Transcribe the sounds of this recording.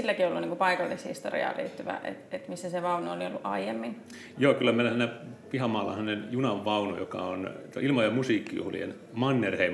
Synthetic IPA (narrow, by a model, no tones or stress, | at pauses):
ilːækioolːuniːŋkupɑikɑlːishḭst̪orḭɑ̰ːlʔḛːt̪ːyʋæ̰ʔḛt̪et̪misːæseʋɑunooliolːuʔɑijemːin | joːkylːæmeˑlosnæpihɑmɑːlːɑ̰hɑnenjunɑʋːɑuno̰jokɑ̰ont̪o̰ilmɑjɑmusiːkːijṵhlḭḛn | mɑnːerheim